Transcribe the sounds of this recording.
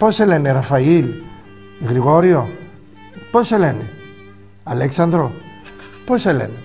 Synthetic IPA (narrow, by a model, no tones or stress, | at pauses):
poseleneɾafɐil | ɣɾiɣo̞ɾio | poselene | ɐleksɐnd̪ɾo | poselḛne